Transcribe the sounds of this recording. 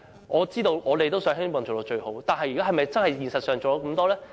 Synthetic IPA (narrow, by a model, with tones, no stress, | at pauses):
ʔɔː˨˧t͡siː˥t̪o˧wʔɔː˨˧t̪e˨jt̪o˥wsœː˨˥ŋhɪ˥ŋmɔː˨ŋt͡ʃo˨˩lɔː˨˧˥t͡ʃɵ˧ɥho˨˥wt̪aː˨nɦɐ˨jyː˨˩kaː˨˥ɦɐ˨jmɐ˨jt͡sɐ˥nhɐ˨jjiː˨nsɐ˨t̚sœː˨ŋo˨wlɔː˨˧˥kɐ˧mt̪ɔː˥lɛː˥